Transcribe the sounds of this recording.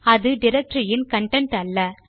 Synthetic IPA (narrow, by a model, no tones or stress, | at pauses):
ɐðɯɖɪɾɛk̚ʈɾijɪnkɐɳʈɛɳʈɐlːɐ